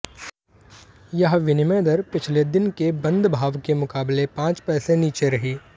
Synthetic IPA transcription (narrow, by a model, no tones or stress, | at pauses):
jɐɦʋɪnɪmeːd̪əɾpɪt͡ʃʰled̪ɪnkebɐ̃nd̪bʱaːʋkemʊkaːblepãːt͡ʃpɛːseniːt͡ʃeɾɐɦiː